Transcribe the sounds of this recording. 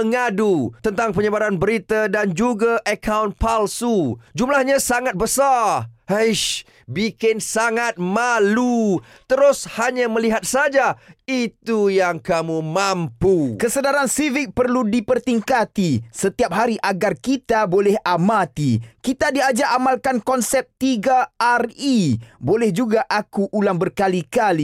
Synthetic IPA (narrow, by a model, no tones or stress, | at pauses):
əŋadut̪ənt̪aŋpəɲəbaɾanbəɾit̪adand͡ʒuɡaʔəkʰawnpalsud͡ʒumlahɲãsaŋat̪̚bəsarhəʃ | bikɪnsaŋat̪̚malu | t̪əɾʊshaɲãməliɦat̪̚sad͡ʒait̪ujaŋkamũmampukəsədaɾansivɪk̚pərludipərt̪iŋkat̪isət̪iap̚ɦaɾiʔaɡarkit̪abolɛhamat̪ikit̪adiad͡ʒaʔamalkankɔnsɛp̚t̪iɡaaribolɛhd͡ʒuɡaʔakuʔːlaŋbərkalikali